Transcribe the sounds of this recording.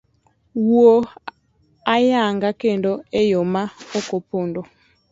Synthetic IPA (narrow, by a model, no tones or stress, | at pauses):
wuo | ajaŋɡakendoejomaokopondo